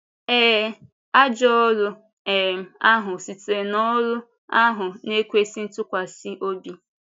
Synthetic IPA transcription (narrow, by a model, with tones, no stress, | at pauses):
ɛː˦ | a˦d͡ʒɔ˦lʊ˦ | ɛ˨m˨a˦ɦʊ˨si˨te˨nɔ˦lʊ˦ | a˦ɦʊ˨ne˦kʷe˦si˦n̩˦tʊ˦kʷa˨sɪ˦ʔo˦bi˦